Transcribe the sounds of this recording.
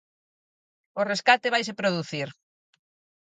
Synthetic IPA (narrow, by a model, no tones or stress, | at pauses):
ʊreskat̪eβajs̬epɾoðuθiɾ